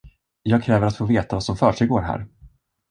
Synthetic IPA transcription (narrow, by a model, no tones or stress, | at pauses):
jɑːɡ̚kʰɾɛːvəɾat̪foːveːt̪avasɔmfœːʂɛjɡoːɾɦæ̰ːɾ